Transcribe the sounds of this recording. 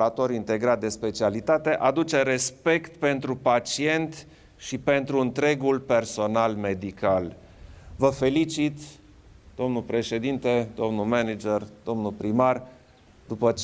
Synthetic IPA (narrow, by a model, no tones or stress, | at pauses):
at̪o̞ɾint̪e̞ɡɾat̪̚d̪e̞spe̞t͡ʃialit̪at̪e̞ʔad̪ut͡ʃe̞ɾe̞spe̞kt̪pe̞nt̪ɾupat͡ʃie̞nt̪ | ʃipe̞nt̪ɾuɨnt̪ɾe̞ɡulpe̞rso̞nalme̞d̪ikal | vəfe̞lit͡ʃit̪ | d̪̥o̞mnulpɾe̞ʃe̞d̪int̪e̞d̪o̞mnulmenid͡ʒerd̪̥o̞mnulpɾimar | d̪̥upə